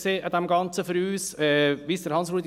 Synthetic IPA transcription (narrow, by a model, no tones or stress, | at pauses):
seːʔɑd̪ɛmɡɑnt͡səføɾyːsɛʋiːsd̥̪əɾhɑnsɾuːd̪